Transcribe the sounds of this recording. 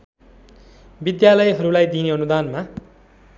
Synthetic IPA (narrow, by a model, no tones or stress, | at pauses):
bid̪jalʌjɦʌɾulajd̪ineʌnud̪anma